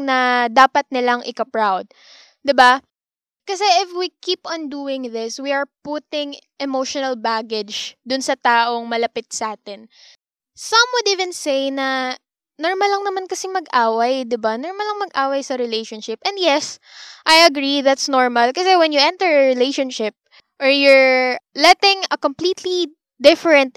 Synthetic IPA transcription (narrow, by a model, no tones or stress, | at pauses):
nɐd̪aːpɐt̪̚nɪlaŋʔɪkɐpɹawd̪̚ː | ɪba | kɐsɛʔɪfwikiːpʔɐ̃nd̪uːɪŋðɪswiɐɹput̪ɪŋʔɛmowʃɔnɐlbaɡɪd͡ʒd̪ʊnsɐt̪aːʔo̞ŋmɐlɐpɪt̪̚sɐʔaːt̪ɪn | sɐ̃mwʊd̪ivɪ̃nsejnɐ | nɔɹmɐlɐŋnɐmankɐsɪmɐɡʔaːwɐjd̪ɪbanɔɹmɐlɐŋmɐɡʔaːwɐjsɐɾɪlejʃɔ̃nʃɪpʔɛ̃nd̪jɛs | ʔajɐɡɾiðat̪snɔɹmɐlkɐsɛwɛnjʊʔɛ̃nt̪ɛɹɐɹɪlejʃonʃɪp̚ | ʔɔɹjʊɹlɛt̪ɪ̃ŋɐkompliːt̪ʰli | d̪ɪfɛɹɛ̃nt̪̚